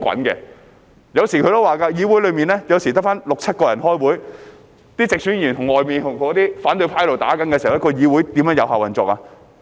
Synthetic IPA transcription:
kʷɐ̰˨˥nkɛ̰ː˧ | jɐ˨˧wsiː˨˩kʰɵ˨˧jt̪o˥waː˨˩kaː˧jiː˨˧wuː˨˥jlɵ˨˧ɥmiː˨˩nlɛː˥jɐ˨˧wsiː˨˩t̪ɐ˥k̚faː˥nlʊ˨k̚t͡sʰɐ˥t̚kɔː˧jɐ˨˩nɦɔː˥jwuː˨˥j | t̪iː˥t͡sɪ˨k̚syː˨˥nyː˨˩nt̪ʊ˨˩ŋɔː˨jmiː˨˩nt̪ʰʊ˨˩ŋkɔː˨˥t̪iː˥faː˨˥nt̪ɵ˧ɥpʰaː˧˥jlo˨˩wt̪a̰ː˨˥kɐ˨˥nkɛː˧si˨˩˨wjɐ˥kɔ˧jiː˨˧wuː˨˥jt̪iː˨mjœː˨˥jɐ˨˧whaː˨˩wɐ˨nt͡sɔː˨kaː˧

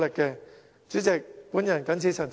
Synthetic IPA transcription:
lɪ˨kːɛː˧ | t͡syː˨˥t͡sɛ˨k̚puː˨˥njɐ˨˩nkɐ˨˥nt͡sʰiː˧˩sʰɐ˨˩t͡s

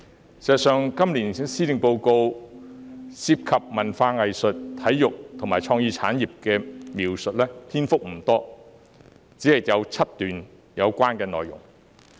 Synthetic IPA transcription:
sɛ˨˩sœː˨˧ŋkɐ˥mliː˨˩n˥siː˥lɪ˨ŋpo˧wko˧w | siː˧p̚kʰɐ˨p̚mɐ˨˩nfaː˧ŋɐ˨jsɵ˨t̚t̪ʰɐ˨˥jːjʊ˨k̚t̪ʰʊ˨˩ŋmaː˨jt͡ʃʰɔː˧ŋjiː˧t͡sʰa̰ː˨˥njiː˨p̚kɛː˧miː˨˩wsɵ˨t̚lɛː˥t̪ʰiː˥nfʊ˥k̚m̩˨˩t̪ɔː˥ | t͡siː˨˥hɐ˨jjɐ˨˧wt͡sʰɐ˥t̚t̪yː˨n | jɐ˨˧wkʷaː˥nkɛː˧nɔ̰ː˨jʊ˨˩ŋ

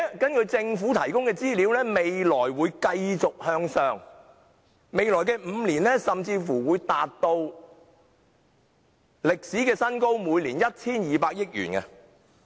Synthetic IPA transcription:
kɐ˥nkɵ˨˧t͡sɪ˧ŋfuː˨˥t̪ʰɐ˨˩jkʊ˥ŋkɛː˧t͡siː˥liː˨˧wlɛː˥me˨jlɔː˨˩jwuː˨˧jkɐ˧jt͡sʊ˨k̚hœː˧ŋsœː˧ŋ | me˨˧jlɔː˨˩jkɛː˧m̩˨˧liː˨˩nlɛː˥sɐ˨mt͡siː˧fuː˨˩wuː˨˧jt̪aː˨t̚t̪o˧w | lɪ˨k̚siː˨˥kɛː˧sɐ˥nko˥wmuː˨˧jliː˨˩njɐ˥t̚t͡sʰiː˥njiː˨˧paː˧k̚jɪ˥k̚jy̰ː˨˩nkɐ˧

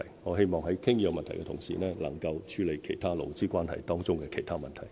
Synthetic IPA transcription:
jŋɔː˨˧ɦe˥jmɔː˨ŋɦɐ˨˥jkʰɪ˥ŋjœː˨˧k̚mɐ˨nt̪ʰɐ˨˩jkɛ˧t̪ʰʊ˨˩ŋsḭː˨˩nɛː˥lɐ̰˨˩ŋkɐ˧wt͡ʃʰyː˨˧˥le˨˧jkʰe˨˩jt̪ʰaː˥lo˨wt͡siː˥kʷaː˥nhɐ̰˨jt̪ɔː˥ŋt͡sʊ˥ŋkɛː˧kʰe˨jt̪ʰaː˥mɐ˨nt̪ʰɐ˨˩j

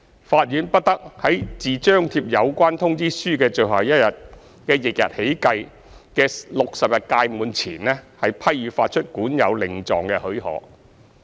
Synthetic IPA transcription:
faː˧t̚jyː˨˥npɐ˥t̚t̪ɐ˥k̚hɐ˨˥jt͡siː˨t͡ʃœː˥ŋt̪ʰiː˧˥p̚jɐ˨˧wkʷaː˥nt̪ʰʊ˥ŋt͡siː˥syː˥kɛː˧t͡ʃɵ˨ɥɦaː˨˩jɐ˥t̚jɐ˨t̚ | kɛː˧jɪ˨k̚jɐ̰˨t̚he˨˥jkɐ˧j | kɛː˧lʊ˨k̚sɐ˨p̚jɐ˨t̚kaː˧jmuː˨˧nt͡sʰiː˨˩nlɛː˥hɐ˨˩jpʰɐ˥jjyː˨˧faː˧t̚t͡ʃʰɵ˥t̚kuː˨˥njɐ˨˧wlɪ˨˩ŋt͡sɔː˨ŋkɛː˧hɵ˨˥hɔ̰ː˨˥k̚

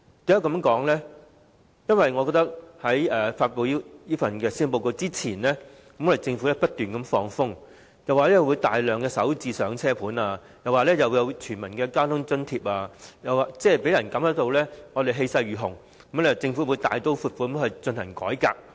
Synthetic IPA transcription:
t̪i˨˥ɐ˨˥kɐ˨˧˥mkɔː˨˥ŋlɛː˥ | jɐ˥nwɐ˨jŋɔ˨˧kɔ˧k̚t̪ɐ˥k̚hɐ˨˥jɛː˨faː˧t̚po˨˧wji˥jiː˥fɐ˨nkɛː˧siː˥npo˧wko˧t͡siː˥t͡sʰiː˨˩nlɛː˥ | kɐ˨˦mɔ˨˧e˨t͡sɪ˧ŋfu˨˥lɛː˥pɐ˥t̚t̪yː˨nkɐ˨˦mfɔː˧ŋfʊ˥ŋ | jɐ˨˩waː˨˧lɛː˥jɐ˨˩wuː˨˧jt̪aː˨jlœː˨˩ŋkɛː˧sɐ̰˨˥wt͡siː˧sœː˨˥ŋt͡sʰɛː˥pʰuː˨˥naː˧ | jɐ˨waː˨˩lɛː˥jɐ˨wjɐ˨˧wt͡ʃʰyː˨˩nmɐ˨˩nkɛː˧kaː˥wt̪ʰʊ˥ŋt͡sɵ˥nt̪ʰiː˧p̚aː˧jɐ˨waː˨t͡sɛː˥˩pe˨˥jɐ˨˩nkɐ˨˥mhɐ˨˧˥t̪o˧wlɛː˥ŋɔ˨˧t̪e˨jɦe˧jsɐ˧jɥyː˨˩ɦʊ˨˩ŋ | kɐ˦m˥˧˨t͡sɪ˧ŋfu˨˥wu˨˧jt̪a̰ː˨jt̪o˥wfuː˧t̚fu˨˧kɐ˨˦mt̪hɐ˨jt͡sɵ˧nhɐ˨˩ŋkɔ̰ː˨˥jka̰ː˧k̚

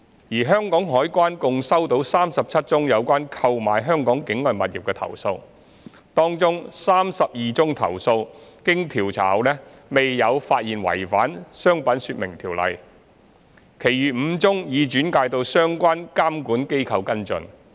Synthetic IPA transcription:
jiː˨˩ɦœː˥ŋkɔː˨˥ŋɦɔː˨˥jkʷaː˥nkʊ˧ŋsɐ˥wt̪o˨˥wsaː˥msɐ˨p̚t͡sʰɐ˥t̚t͡sʊ˥ŋjɐ˨˧wkʷaː˥nkʰɐ˧wmaː˨jɦœː˥ŋkɔː˨˥ŋkɪ˨˥ŋlœ˨nmɐ˨t̚jḭː˨p̚kɛː˧t̪ʰɐ̰˨˩wso˧w | t̪ɔː˥ŋt͡sʊ˥ŋsaː˥msɐ˨p̚jiː˨t͡sʊ˥ŋt̪ʰɐ̰˨˩wso˧wkɪ˥ŋt̪ʰiː˨˩wt͡sʰa̰ː˨˩wlɛ˥ | me˨jːɐ˨˧wfaː˧t̚jiː˨˩nwɐ̰˨˩jfa̰ː˨˥nsœː˥ŋpɐ˨˥nsyː˧t̚mɪ˨˩ŋt̪ʰiː˨˩wlɐ̰˨j | kʰe˨˩jɥyː˨˩m̩˨˧t͡sʊ˥ŋjiː˨˧t͡ʃyː˨˥nkaː˧jt̪o˧wsœː˥ŋkʷaː˥nkaː˥mkuː˨˥nke˥jkʰɐ˧wkɐ˥nt͡sɵ̰˧n

